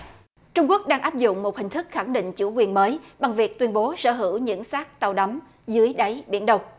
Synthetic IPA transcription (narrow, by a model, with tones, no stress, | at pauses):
t͡ɕʊ˧ŋ͡mku˦˥ək̚ɗaː˧ŋʔaː˦˥p̚zʊ̰˧˨ŋ͡mmo˨˩t̚hï˨˩ŋ̟t̪ʰɨ˦˥k̚xa˧˩ŋɗḭ̈˧˨ŋ̟t͡ɕu˧˩kwi˨˩ənməː˨˦jɓa˨˩ŋvi˨˩ək̚t̪wi˧ənɓo˨˦sə̰ː˧˩ɦɨ̰˧˩wɲɨ̰˧˥ŋsaː˦˥k̚t̪a˨˧˩wɗa˨˦m | zɨ˨˦əjɗa˨˦jɓḭ˧˩ənɗə˧wŋ͡m